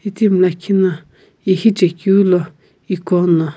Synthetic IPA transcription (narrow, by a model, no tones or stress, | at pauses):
it̪imlãkʰinã | ihit͡ʃekjulo | ikonã